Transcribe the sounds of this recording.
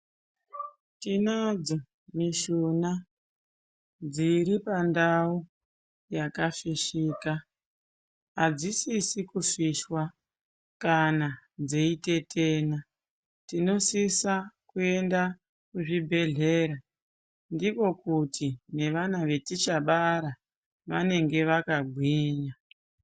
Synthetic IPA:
tinad͡zo̞ | miʃuna | d͡ziɾipandau | jakafiʃiːka | ɦad͡zisisikuʂiʃwa | kanad͡zeite̞tʰe̞ːna | tino̞sisakue̞nda | kuʐibʱe̞ɮe̞ɾa | ndiko̞kutʰine̞ʋanaʋe̞tit͡ʃaɓaɾa | ʋane̞ŋɡe̞ʋakaɡʱwiːɲa

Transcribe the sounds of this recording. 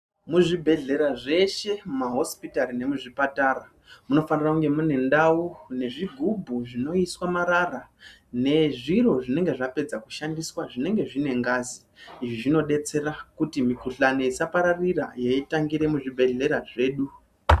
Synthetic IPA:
muʐibʱe̞ɮe̞ɾaʐe̞ʃe̞maɦo̞spitaɾine̞muʐipataɾa | muno̞fanirakuŋɡe̞mune̞ndaune̞ʐiɡʱubʱuʐino̞iswamaɾara | ne̞ʐiro̞ʐine̞ŋɡe̞ʐape̞d͡zaku̥ʃandiswaʐine̞ŋɡe̞ʐine̞ŋɡaziː | ʐiʐino̞ɗe̞t͡se̞rakutimikuɬane̞isapaɾarira̰jeitaŋɡiɾe̞muʐibʱe̞ɮe̞ɾaʐe̞ːɗu

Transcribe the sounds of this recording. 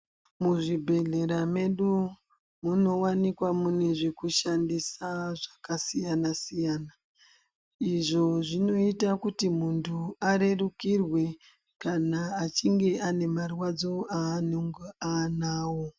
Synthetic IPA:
muʐibʱe̞ɮe̞ɾame̞ɗu | muno̞wanikwamune̞ʐe̞kuʃandisaʐakasijanasijaːna | iʐo̞ʐino̞itakutimuntʰuaɾe̞rukirwe̞ | kanaːt͡ʃiŋɡe̞ane̞marwad͡zo̞aːnoŋɡuanaːwo

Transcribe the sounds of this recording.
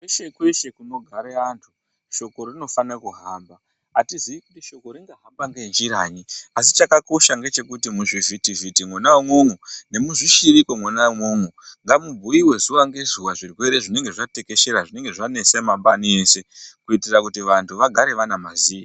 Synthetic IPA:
kweʃekweʃekuno̞ɡʱaɾeantʰu | ʃo̞ko̞rino̞fanekuɦaːmbaː | tiziʋikutiʃo̞ko̞ɾiŋɡaɦambaŋɡend͡ʒiɾaɲiasit͡ʃakako̞ʃaŋɡe̞t͡ʃe̞kutimuʐivitivitimwanawemwoŋune̞muʐiʃiɾikomwanawmoŋuŋɡamubʱuiwe̞zuwaŋɡe̞zuwaʐirwe̞ɾe̞ʐine̞ŋɡe̞ʐate̞keʃeɾaʐine̞ŋɡe̞ʐanesemaɓanie̞ːse̞kuitirakutiʋantʰuʋaɡʱaɾe̞ʋanamaziːi

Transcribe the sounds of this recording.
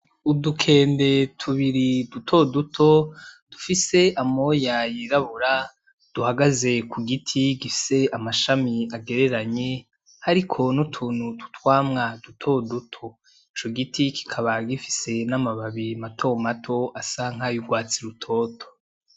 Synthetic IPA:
udukʰe̞ːnde̞tʰuβiɾidutʰo̞dutʰo̞d̥ufise̞amo̞jajiɾaβuɾa | d̥uhaɡaze̞kʰuɡitʰiɡifi̥se̞amaʃamiaɡe̞ɾe̞ɾaɲe | haɾikʰo̞nutʰuːn̥hutu̥twaːmŋadutʰo̞dutʰo̞ | it͡ʃo̞ɡitʰiki̥kʰaβaɡifi̥se̞namaβaβimatʰo̞matʰo̞asaŋ̥ɦajuɡwaːt͡siɾutʰo̞ːtʰo̥

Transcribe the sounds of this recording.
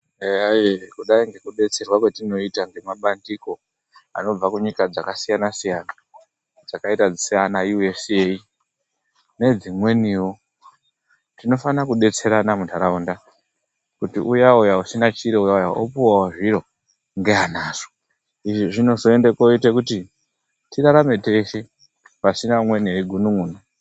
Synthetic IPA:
eaekuɗaiŋɡe̞kuɗe̞t͡se̞rwakwe̞tino̞itaŋɡe̞maɓandiko̞ | a̰no̞b͡vakuɲikad͡zakasijanasijaːna | d͡zakaitad͡zisianajue̞sei | ne̞d͡zimwe̞niwo | tino̞fanakuɗe̞t͡se̞ɾanamutaɾaunda | kutiʔujaujausinat͡ʃiɾeujaujaopuwawoʐiɾo̞ | ŋɡeanaːʐ̥o̥ | iʐiʐino̞zo̞e̞ndekoitekuti | tiɾaɾame̞te̞ʃe | pasinamwe̞neiɡʱunuŋuːno

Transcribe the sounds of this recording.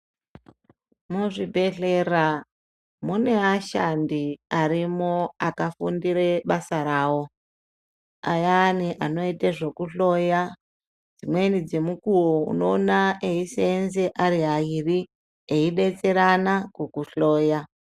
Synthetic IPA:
muʐibʱe̞ɬera | mune̞aʃandiaɾimoakafundiɾe̞ɓasaɾaːwo̞ | a̰janiʔano̞iteʐekuɬo̞ja | d͡zimwe̞nid͡ze̞mukuwoṵno̞ːnaʔeiseːnzeʔaɾiɦairi | eiɗe̞t͡se̞ɾanakukuɬoːja

